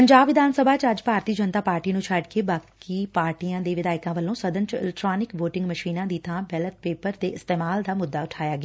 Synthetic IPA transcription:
pəɲd͡ʒaːbʋɪd̪ʱaːnsəbʱaːt͡ʃəd͡ʒpaːɾt̪iːd͡ʒənt̪aːpaːɾʈiːnũːt͡ʃʰəɖkeːbaːkiːpaːɾʈiːjãːd̪eːʋɪd̪aːɪkãːʋəlːõːsəd̪ənt͡ʃɪ̰lɛk̚ʈɾaːnɪkʋoːʈɪ̃ŋɡməʃiːnãːd̪iːt̪ʰãːbɛːlət̪̚peːpəɾt̪eːʔɪst̪eːmaːld̪aːmʊd̪ːaːʊʈʰaːjaːɡeaː

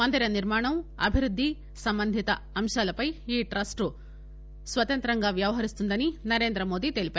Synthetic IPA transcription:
ɐnd̪ʱɐɾɐniɾmaːɳɐmɐ̰bʱiɾud̪ʱːi | sɐmbɐnd̪ʱit̪ɐːmʂaːlɐpɐjiːʈɾɐsʈu | sʋɐt̪ɐnt̪ɾɐŋɡaːʋjɐʋɐɦɐɾist̪und̪ɐninɐɾe̞ːnd̪ɾɐmo̞ːd̪it̪e̞lipeː

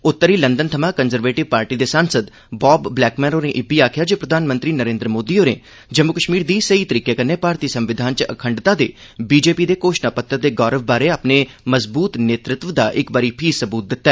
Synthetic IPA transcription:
ʊt̪ːəɾiːlənd̪ənt̪ʰəmãːkənzəɾʋeːʈɪʋpaːɾʈiːd̪eːsaːnsəd̪ | bɔːbːlɛːkmɛ̃ːɾoːneːʔɪbiːaːkʰjaːd͡ʒoːpɾəd̪ʱaːnmə̃nt̪ɾiːnəɾẽːnd̪ɾəmoːd̪iːoːnḛː | d͡ʒəmʊkəʃmiːɾd̪iːsəiːt̪əɾiːkeːkənːeːpaːɾt̪iːsəmʋɪd̪ʱaːnt͡ʃəə̰kʰəɳɖt̪aːd̪ḛː | biːd͡ʒeːpiːd̪eːkoːʃnaːpət̪ːəd̪eːɡɔːɾəʋbaːɾeːaːpneː | məzbuːt̪neːt̪ɾɪt̪ʋəd̪aːʔɪkbaːɾiːpʰiːsəbuːt̪̚d̪ɪt̪ːaɛ

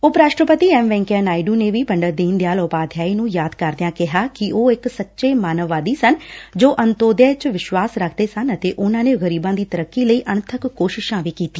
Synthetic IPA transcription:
ʊpɾaːʃʈɾəpət̪iːɛːmʋɛ̃ːŋkanaːiɖuːneːʋiːbəɳɖəɾd̪iːnd̪ejaːlopaːd̪ʱjaːiːnũːjaːd̪kəɾd̪ɪjãːkɪɦaːkɪoːɪksətːʃeːmaːnəʋːaːd̪iːsənd͡ʒoːʔənt̪oːd̪jaːt͡ʃʋɪʃwaːsɾəkʰd̪eːsənət̪eːʔʊnãːneːɣəɾiːbãːd̪iːt̪əɾəkːiːləiːʔənt̪ʰəkːoːʃɪʃãːʋiːkiːt̪iː

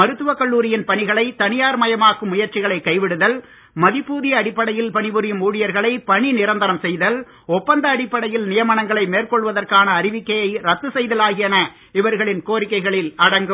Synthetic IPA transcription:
mɐɾɯt̪ːɯʋɐkɐɭːuːɾɪjɪnpɐɳɪɣɐɭɐɪt̪ɐnɪjaːɾmɐjɐmaːkɯmːʊjɐɾt͡ʃɪɣɐɭɐɪkːɐɪʋɪɽɯðɐl | mɐðɪpːuːðɪjɐːɽɪpːɐɽɐjɪlpɐɳɪʋɯɾɪjɯmuːɽɪjɐɾɣɐɭɐɪpɐɳinɪɾɐnd̪ɐɾɐmsɛjðɐl | ɔpːɐnd̪ɐːɽɪpːɐɽɐjɪlnɪjɐmɐnɐŋɡɐɭɐɪmeːrkɔɭʋɐðɐrkaːnɐːɾɪʋɪkːɐjɐɪɾɐt̪ːɯsɛjðɐlaːɣɪjɐnɐ | ɪʋɐɾɣɐɭɪnkoːɾɪkːɐɪɣɐɭɪlɐɽɐŋɡɯm

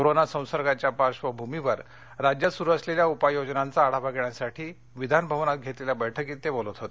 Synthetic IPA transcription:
koɾonasə̃w̃səɾɡat͡ɕjapaɕʋəbʱumiʋəɾ | ɾad͡ʑjəsuɾuəsleljaupajod͡ʑnant͡saːɽaʋaɡeɳjasaʈʰiː | ʋid̪ʱanbʱəʋnat̪̚ɡʱet̪leljabəjʈʰəkiːt̪ːebolət̪ɦot̪e

